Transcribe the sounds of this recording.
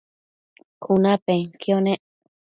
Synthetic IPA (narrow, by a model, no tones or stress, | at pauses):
kʰunapeŋkjoneʔ